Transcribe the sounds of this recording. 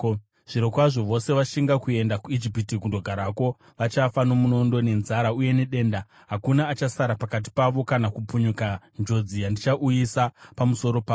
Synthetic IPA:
ʐ̥iɾo̞kwaʐo̞ʋo̞se̞ʋaʃiŋɡakue̞ndakuid͡ʒipitikundo̞ɡʱaɾako̞ | ʋat͡ʃafano̞muno̞ndo̞ne̞nzaɾauje̞neɗe̞ːnda | ɦakunaːt͡ʃasaɾapakat̬i̥paʋo̞kanakup͡fuɲuka | nd͡ʒo̞d͡zijandit͡ʃaʔujisapamuso̞ɾo̞paː

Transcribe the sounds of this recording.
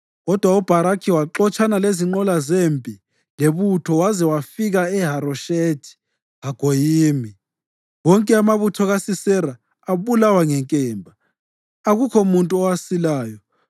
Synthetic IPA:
ɣɔd̥ʱwaub̥ʱaɾakʰiwaǁɔt͡ʃʰʼanaleziŋ͡ǃɔlazempʼi | leβutʰɔwazɛwafiɣaɛɦaɾɔʃetʰi̥ | aɡ̥ʱojiːmi | wɔŋkʼɛamaβutʰɔɣasisɛraː | βulawaŋɛŋkʼɛːmbʱa | aɣukʰɔmuntʼuɔwasilaːjɔ

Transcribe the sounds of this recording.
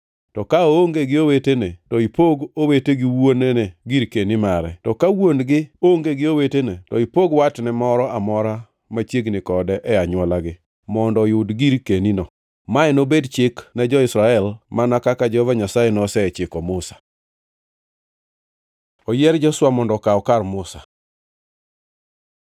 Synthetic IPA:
tɔkaooŋɡeɡɪowetenetɔipoɡoweteɡɪwonɛneɡiɾkenimaɾɛtɔkawonɡɪoŋɡeɡɪowetenetɔipoɡwatnɛmɔɾɔamɔɾa | mat͡ʃjeɡnɪkɔdɛʔɛaɲwɔlaɡɪ | mɔndɔjʊdɡiɾkeninɔ | maɛnobedt͡ʃɪknɛd͡ʒɔɪsɾaɛlmanakakad͡ʒɔvaɲasajɛnɔsɛɛt͡ʃɪkɔmʊsḁ | ɔjɛɾd͡ʒɔswamɔndɔkaɔkarmʊsa

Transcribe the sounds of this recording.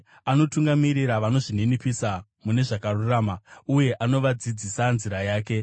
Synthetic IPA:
ano̞tuŋɡamiɾiɾaʋano̞ʐinenipisa | mune̞ʐakaruraːmauje̞ʔano̞ʋad͡zid͡zisanziɾajaːk̬e̞

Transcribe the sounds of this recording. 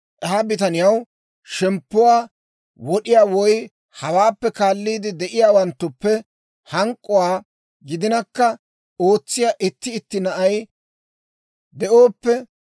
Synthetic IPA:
ʔɛɦɐbɪt̪̬ɐnɪjɐw | ʃɛmpːʊwaː | wɔɗɪjaːwɔj | hɐwaːpːɛkaːlːiːd̪ɪd̪ɛʔɪjaːwɐnt̪ːʊpːɛ | hɐŋkʼːɔwaː | ɡɪd̪ɪnɐkːɐ | o̞ːt͡sːɪjaːʔɪt̪ːɪːt̪ːɪnɐʔɐj | d̪ɛʔoːpːɛ

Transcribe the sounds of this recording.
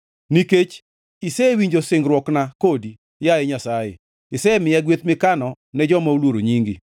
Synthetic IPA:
niket͡ʃ | isɛwiɲd͡ʒosɪŋɡɾwɔknakodi | jaɛɲasajḛ | ɪsɛmɪjɛɡwet̪mɪkanɔ | nɛd͡ʒɔmaulwoɾoɲiŋɡḭ

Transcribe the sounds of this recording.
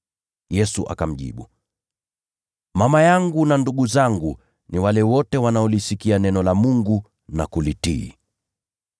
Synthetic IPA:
jɛsuʔa̰kam̩ʄḭɓu | mamajaŋɡunanduɡuzaŋɡu | niwalɛwɔtɛwanaɔlisikianɛnɔlamuŋɡu | nakulitḭː

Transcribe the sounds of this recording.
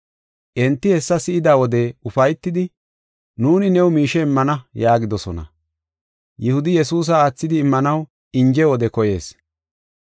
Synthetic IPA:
ʔɛnt̪ːɪhɛsːɐsɪʔɪd̪aːwɔd̪ɛʊfɐjt̪ːɪd̪ɪ | nuːnɪnɛwmiːʃɛɪmːɐnɐjaːɡɪd̪ɔsɔnɐ̰ | jɪhʊd̪ɪjɛsuːs̬ɐaːt͡sːɪd̪ɪːmːɐnɐw | ɪɲd͡ʒɛwɔd̪ɛkɔje̞̰ːs

